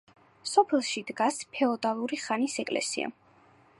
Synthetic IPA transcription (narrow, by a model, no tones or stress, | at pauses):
sɔpʰɛlˠʃid̪ɡaspʰɛɔd̪alˠuɾiχanisɛkʼlɛ̰sḭa̰